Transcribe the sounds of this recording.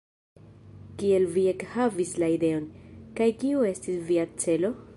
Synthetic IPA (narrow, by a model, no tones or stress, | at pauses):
kie̞lviekhavislaide̞o̞nkajkiue̞stisviat͡se̞lo̞